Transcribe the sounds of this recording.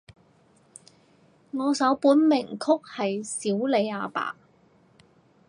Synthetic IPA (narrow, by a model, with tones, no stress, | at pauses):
ŋɔː˨˧sɐ˨˥wpuː˨˥nmɪ˨˩ŋkʰʊ˥k̚hɐ˨jsiː˨˥wle˨˧jaː˨˧pa̰ː˨